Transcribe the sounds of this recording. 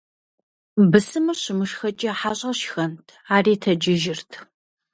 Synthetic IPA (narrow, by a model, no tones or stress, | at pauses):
bɨsɨmɨɕɪmɨʂxɐt͡ʃʼɐħaːɕʼɐɕxɐntʰaːriːtʰɐd͡ʒɪʒɪrtʰ